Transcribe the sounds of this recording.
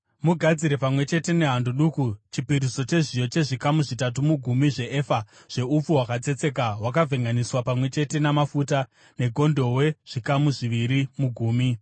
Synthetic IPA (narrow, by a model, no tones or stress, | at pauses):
muɡʱad͡ziɾe̞pamwe̞t͡ʃe̞te̞ne̞ɦandoɗukut͡ʃipiɾiso̞t͡ʃe̞ʐijo̞t͡ʃe̞ʐikamuʐitat̬umuɡʱumiʐe̞ʔefa | ʐ̥e̞up͡fuwakad͡ze̞t͡se̞kawakavʱeŋɡaniswapamwe̞t͡ʃe̞te̞namafuta | ne̞ɡʱo̞ndo̞we̞ʐ̥ikamuʐiʋiɾimuɡʱuːmi